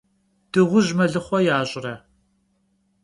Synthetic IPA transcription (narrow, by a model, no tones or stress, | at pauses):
d̥ɨʁʷʊʑmɐɮɨχʷɔjaːʑʼɪrɐ